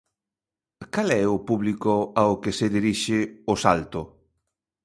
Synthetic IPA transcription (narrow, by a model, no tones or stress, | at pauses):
kalɛʊpuβlikʊaokeseðiɾiʃɪʊsalt̪ʊ